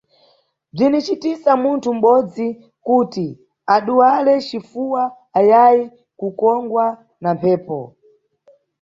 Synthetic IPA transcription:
b͡ʐinit͡ʃitisamuntʰum̩ɓɔd͡zi | kuːti | aɗuwalɛt͡ʃifuwaː | jaji | kukɔŋɡwa | nampʰɛːpɔ̰

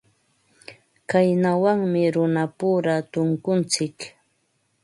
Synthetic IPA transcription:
kajnawaŋmɪɾʊnapuːɾat̪ʊŋkʊnt͡sɪk

